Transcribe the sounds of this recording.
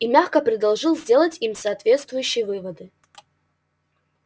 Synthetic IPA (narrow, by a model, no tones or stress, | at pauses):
imʲaxkəpɾʲɪd̪ɐlˠʐɨlˠzʲdʲe̞lˠətʲimsɐːt̪vʲe̞t̪st̪vʊjʉɕːɪjəvɨvəd̪ɨ